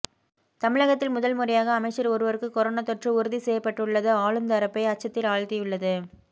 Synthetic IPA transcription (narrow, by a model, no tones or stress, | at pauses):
t̪ɐmɪɻɐɣɐt̪ːɪlmʊðɐlmʊɾɪjaːɣɐːmɐɪt͡ʃːɐɾɔɾɯʋɐɾɯkːɯkɔɾoːnat̪ːɔʈrɯʊɾɯðisɛjːɐpːɐʈːɯɭːɐðɯaːɻɯmnd̪ɐɾɐpːɐɪɐt͡ʃːɐt̪ːɪlaːɻt̪ɪjɯɭːɐðɯ